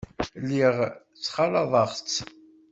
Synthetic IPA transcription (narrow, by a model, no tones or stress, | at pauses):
lːiʁ | t͡sːχɑlɑðˤɑʁt͡sː